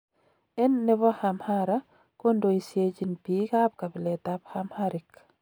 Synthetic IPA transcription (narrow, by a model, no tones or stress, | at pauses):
ɛnːɛbɔhamhaɾa | kondoisjet͡ʃinpikap̚kabilɛtaphamhaɾik